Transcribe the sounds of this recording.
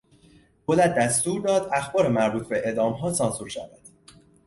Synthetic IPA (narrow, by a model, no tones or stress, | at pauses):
bolæd̪̚d̪ːæst̪uːɾd̪ɒːd̪æxbɒːɾemæɾbuːt̪ʰbe̞ʔed̪ɒːmɦɒːsɒnsuːɾʃæ̰væd̪̥